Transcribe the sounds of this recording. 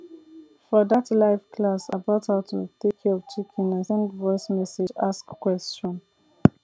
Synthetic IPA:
fɔdatlaɪfkʰlasabataʊtʰutekʰivt͡ʃʰikʰĩnə̃sɛ̃nvɔɪsmɛsed͡ʒaskːwɛst͡ʃɔ̃n

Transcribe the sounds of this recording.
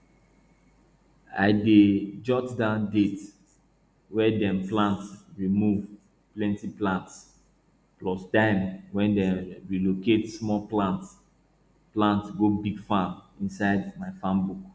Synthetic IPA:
a̰ɪded͡ʒɔtdãndet | wɛdɛ̃mplãntsɹimuv | plɛ̃ntiplãnts | plɔstãɪ̃mwɛ̃ndɛ̃ɹiloketsmɔlplãnts | plãntsɡobiɡfãmĩnsaɪdmaɪfãmbuk

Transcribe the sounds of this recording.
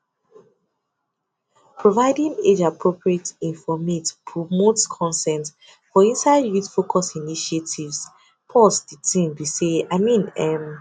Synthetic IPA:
pʰɹovaɪdĩned͡ʒapʰɹopɹietĩnfɔmetpʰɹomotkʰɔ̃nsɛ̃nt | fɔĩnsaɪdɹitfokʰɔsiniʃetʰivs | pʰɔsditʰĩnbiseaɪmĩnɛm

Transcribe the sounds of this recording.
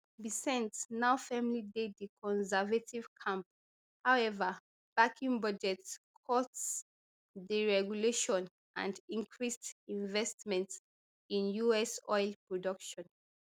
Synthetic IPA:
bisɛ̃ntnaʊfɛmlidedikʰɔ̃nsɛvativ̥kʰãmp̚ | hawɛvə | b̥akʰĩŋbad͡ʒɛtkʰɔts | diɹɛɡjuleʃɔ̃n | ʔã̰ndĩŋkʰɹistĩɱvɛstmɛ̃nt | ĩnjuɛsɔjlpɹɔdʌkʃɔ̃n

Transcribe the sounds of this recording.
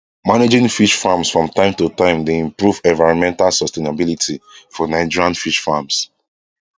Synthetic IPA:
maned͡ʒĩŋfiʃfamsfɹɔ̃mtãɪ̃mtutãɪ̃mdeĩmpɹuvɛ̃nvaɪɹɔ̃nmɛ̃ntalsɔstenabilitʰifɔnaɪd͡ʒiɹãnfiʃfams

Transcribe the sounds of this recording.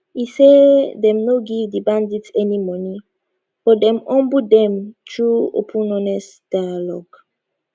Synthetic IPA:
isedɛ̃mnoɡidibãnditɛnimɔni | fɔdɛ̃mɔ̃mbudɛ̃mtɹuo̰pʰũnɔnɛsd̥ajalɔɡ̥

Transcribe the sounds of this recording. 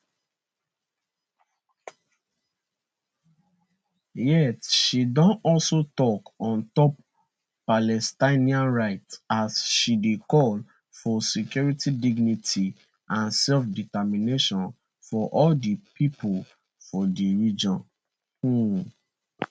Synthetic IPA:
jɛtʃidɔ̃nɔlsotɔkɔ̃ntɔp̚ | palɛstaɪniãnɹaɪtasʃidekɔl | fɔsikjuɹitidiɡnitʰi | ʔãnsɛlfditamineʃɔ̃n | fɔʔɔldipipʰol | fɔdiɹid͡ʒɔ̃n | u

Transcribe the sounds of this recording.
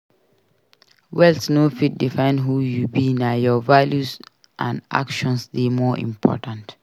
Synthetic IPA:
wɛltnofit̚difãɪ̃nɦujubinajɔvaljus | ʔã̰nʔa̰kʃɔ̃nsdemɔʔḭ̃mpʰɔ̰tãnt

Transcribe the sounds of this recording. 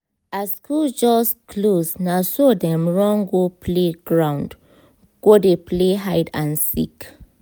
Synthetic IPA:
askʰuld͡ʒɔskʰlosnasodɛ̃mɹɔ̃ŋɡopʰleɡɹãw̃nd | ɡ̥odepleɦajdãnsḭk

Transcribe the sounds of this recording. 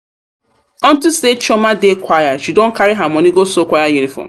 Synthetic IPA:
ɔ̃n̩tuset͡ʃɔmadekʷajaʃidõn̩kaɾiɦamɔ̃niɡosokʷajajunifɔ̰m

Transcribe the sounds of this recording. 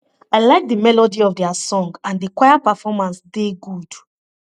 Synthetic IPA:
aɪlaɪk̚dəmɛlɔdiɔvdɛasɔ̃ŋɡãndikwaɪapəfɔmãnsdeɡud̥

